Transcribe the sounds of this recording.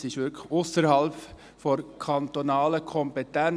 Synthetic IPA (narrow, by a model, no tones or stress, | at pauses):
sɪʃʋʏɾkʰəxʊsəɾhɑlp | fɔɾkʰɑnt̪onɑːləkʰɔmpɛtæn